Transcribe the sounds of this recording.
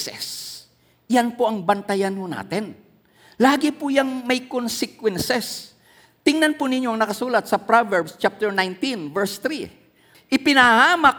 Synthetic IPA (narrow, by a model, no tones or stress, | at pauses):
sɛ̰s | janpoʔɐŋbɐnt̪ɐjɐnhona̰ːt̪ɛn | laːɡɪpʊjɐŋmɐjkonsɪkwɛnsɛs | t̪ɪŋnɐnpʊnɪɲoʔɐŋnɐkɐsuːlɐt̪̚sɐpɾavɛɹbst͡ʃap̚t̪ɛɹnajnt̪invɛɹst̪ɾi | ʔɪpɪnɐahaːmɐ